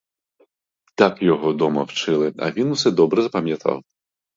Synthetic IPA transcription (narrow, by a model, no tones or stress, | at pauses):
t̪akjɔɦɔd̪ɔmɐwt͡ʃɪlˠɪɐ̰ʋʲinusɛd̪ɔbɾɛzɐpɐmʲjɐt̪ʰɑ̰w